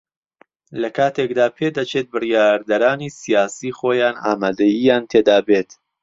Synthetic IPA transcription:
lɐkʰaːt̪ʰekd̪aːpʰed̪ɐt͡ʃʰet̪̚bɨrijaːɾd̪ɐɾaːniːsijaːsiːχoːjaːna̰ːmaːd̪ɐjijaːnt̪ʰeːd̪aːbeːt̪

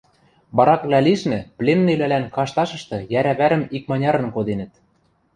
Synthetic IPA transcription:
βɑɾɑkβlʲæliʃnɘ̆plʲenːelælænkɑʃt̪ɑʃɤ̆ʃt̪ɤ̆jæɾæβæɾɘ̆mikmɑnʲɑɾɤ̆nkod̪enɘ̆t̪

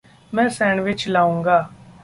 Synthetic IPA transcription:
mɛ̃ːsɛ̃ːɳʋɪt͡ʃlaːũːŋɡaː

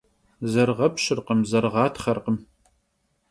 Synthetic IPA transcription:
zɐrʁɐpɕɪrqəmzɐrʁɑːtʰχɐrqəm

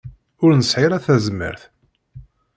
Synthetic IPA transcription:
ʊɾnəsħiɾæθæzmːə̰ɾθ

